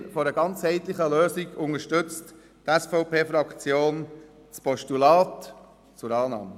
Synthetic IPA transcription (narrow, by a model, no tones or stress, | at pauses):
fɔɾəɡɑnt͡shɛɪt̪lɪχəløːsiɡʊŋəʃtʏt͡st | tɛsfɔʊpeːfɾɑkt͡sjoːn | t͡spɔʃtulɑːt | t͡sʊɾɑːnɑ̰ːmə